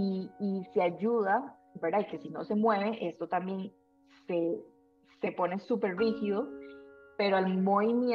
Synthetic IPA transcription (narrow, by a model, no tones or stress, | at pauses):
iːseaʝuða | beɾd̪aike̞sino̞se̞mwe̞βe̞ʔe̞st̪o̞t̪ambje̞n | se̞ | se̞pone̞supe̞ɾrihiðope̞ɾoalmo̞βimjẽ